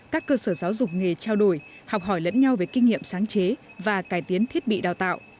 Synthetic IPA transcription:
kaː˦˥kːəː˧səː˧˩zaː˨˦wzʊ˨˩k͡p̚ŋe˨˩t͡ɕaː˧wɗo˧˩j | hɔ˨˩wk͡p̚ɦɔ˧˩jlə̰˧˥nɲa˧wve˨˦jki˧ŋ̟ŋḭ˧˨əmsaː˨˦ŋt͡ɕe˨˦vaː˨˩kaː˧˩jt̪i˨˦ənt̪ʰi˦˥ət̚ɓḭ˧˨ɗaː˨˩wt̪a̰ː˧˨wʔ

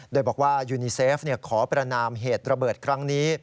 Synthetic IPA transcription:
doː˧jbɔː˨˩k̚waː˥˩juː˧niː˧seː˦˥f̚ni˥˩ɐkʰɔː˩˦pɾa˧naː˧mɦeː˨˩t̪̚ɾa˧bɤː˨˩t̪̚kʰɾa˦˥ŋniː˦˥

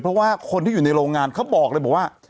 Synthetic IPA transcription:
pʰɾɔ˦˥waː˥˩kʰo˧nt̪iː˥˩juː˨˩na˧jɾoː˧ŋːaː˧nkʰa˦˥wbɔː˨˩k̚lɤː˧jbɔ˨˩waː˥˩

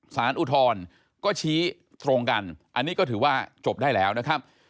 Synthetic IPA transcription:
saː˩˦nʔu˧˩t̪ʰɔː˧n | kɔː˥˩t͡ɕʰiː˦˥ | t̪ɾo˧ŋka˧nʔa˧nːiː˦˥kɔː˥˩t̪ʰɯː˩˦waː˥˩t͡ɕo˨˩p̚daː˥˩jlɛː˦˥wna˦˥kʰɾa˦˥p̚

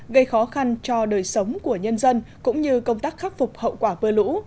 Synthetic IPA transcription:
ɣə˧jxɔ˨˦xa˧nt͡ɕɔ˧ɗəː˨˩jsə˨˦wŋ͡mku˧˩əɲə˧nzə˧nkʊ̰˧˥ŋ͡mɲɨ˧kə˧wŋ͡mt̪aː˦˥k̚xa˦˥k̚fʊ˨˩k͡p̚hə̰˧˨wkwaː˧˩ɓɨ˧əlṵ˧˥

